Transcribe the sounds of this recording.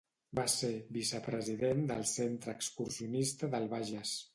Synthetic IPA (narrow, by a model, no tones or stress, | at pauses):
baseβisəpɾəziðend̪ə̰lˠsent̪ɾəːkskuɾsiunist̪əðəlˠβaʒəs